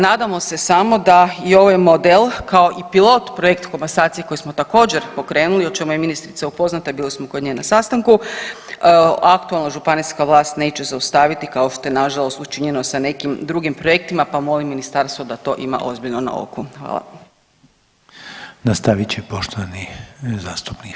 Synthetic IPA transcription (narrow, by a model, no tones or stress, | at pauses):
naːd̪amo̞se̞samo̞d̪aio̞ʋajmod̪elˠkaoʔipilˠo̞t̪pɾoje̞kt̪kombasaːt̪sijeko̞jismo̞t̪ako̞ːd͡ʑeɾpo̞kɾe̞ːnulio̞t͡ʃe̞mujeminist̪ɾit̪saupo̞znat̪abiːlismokod̪ɲenasast̪aŋku | akt̪ualˠnaʒupaniskaʋlˠaːst̪ne̞ːt͡ɕe̞zaust̪aːʋit̪ikao̞ʃt̪o̞jenaʒalˠo̞st̪ut͡ʃiɲe̞no̞sane̞kimd̪ɾuɡimpɾo̞je̞k̚t̪imapamo̞limːinist̪aɾst̪ʋod̪at̪o̞̰ʔima̰ʔo̞zbiʎnona̰o̰kuxʋa̰ːlˠa̰ | nast̪aʋit͡ɕepo̞ʃt̪oʋanizaːst̪u̥pnik